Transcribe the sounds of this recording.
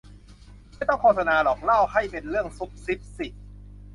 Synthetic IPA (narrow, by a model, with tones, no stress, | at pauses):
jt̪ɔ˥˩ŋkʰoː˧t̪ʰa˧naː˧lɔː˨˩k̚la˥˩wha˥˩jpe˧nɾɯ˥˩əŋsu˨˦˥k̚si˦˥p̚si˨˩